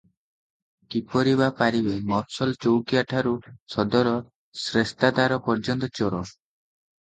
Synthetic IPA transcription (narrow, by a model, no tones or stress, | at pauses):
kipɔɾiβapaɾibemɔɾsɔlt͡ʃowkiaʈʰaɾusɔd̪ɔɾɔ | sɾest̪ad̪aɾɔpɔɾd͡ʒɔnt̪ɔt͡ʃɔɾɔ